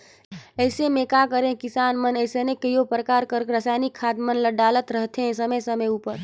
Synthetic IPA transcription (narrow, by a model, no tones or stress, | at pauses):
əɪsemekakəɾẽkisanmənəjsenekəjopɾəkaɾkəɾkɾəsajnikʰːad̪mənləɖalət̪ɾəɦt̪ʰẽsəməsəməjupəɾ